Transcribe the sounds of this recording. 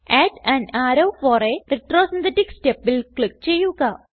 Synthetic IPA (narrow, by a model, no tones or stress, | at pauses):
æːʈɐnaːɾɐwfoːrereʈroːsɐnt̪eʈːiksʈepːilkɭik̚t͡ɕe̞jːuɣɐ